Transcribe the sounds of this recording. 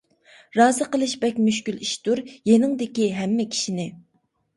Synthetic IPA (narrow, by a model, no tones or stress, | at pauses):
ɾɑːzɨqəlˠɨʃbɛk̚ʲmyʃkʲyliʃt̪uɾjenɪŋd̪ɪkʲiɦɛmːɛkʲʰi̥ʃinɪ